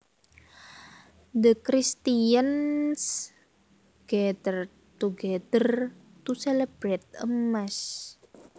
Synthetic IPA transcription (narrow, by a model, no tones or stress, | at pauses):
d̪əkɾist̪ians | ɡ̥ɛd̪ər | t̪uɡɛd̪ər | t̪uselɛb̥ɾɛt̪̚əmːas